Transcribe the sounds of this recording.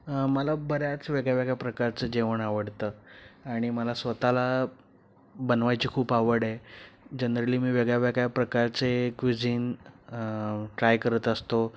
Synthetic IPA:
məlabəɾjat͡sʋeɡɭjaʋeɡjapɾəkaɾt͡səd͡ʑeʋəɳaʋəɽt̪əːaɽ̃iməlasʋət̪ala | bənʋajt͡ɕiːkʰuːpaʋəɽed͡ʑənɾəliːmiːʋeɡɭjaʋeɡjapɾəkaɾt͡sekʋid͡ziːn | ʈɾajkəɾət̪əst̪o

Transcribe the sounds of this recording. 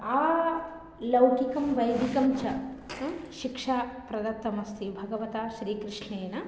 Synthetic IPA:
aː | lɐwkikɐmʋɐjd̪ʱikɐmt͡ʃɐ | ʃikʂaːpɾɐd̪ɐt̪ːɐmɐst̪ʰibʱɐɡɐʋɐt̪aːʃɾiːkɾɪʂneːnɐ

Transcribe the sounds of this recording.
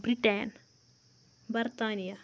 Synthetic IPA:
bɾiʈen | bɐɾt̪aːnija

